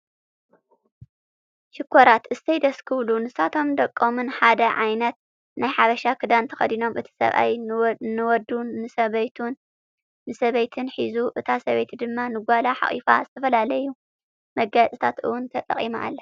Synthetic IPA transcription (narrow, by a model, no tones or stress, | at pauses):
ʃɪkʰːoɾat̪ɨst̪ʰɐjd̪ɐskʰɨβlunɨsat̪ʰo̞md̪ɐkʼːomɨnħad̪ɐʕajnɐt̪̚ | najħaβɐʃakʰɨd̪ant̪ʰɐ̥xɐ̰d̪ino̞mʔɨt̪ʰi̥sɐ̰βʔa̰jnɨwɔd̪unːɨsɐβɐjt̪ʰunː | ɨsɐβɐjt̪ʰɨnħizuʔɨt̪ʰasɐβejt̪ʰid̪ɨmːanɨɡʷalaħa̰χʼḭfa̰zɨt̪ʰɐfɐlalɐjːu | mɐɡat͡sʼɨt̪ʰat̪ɨwʊnt̪ʰɐt̪ʼːɐ̰χʼima̰ʔa̰lːɐ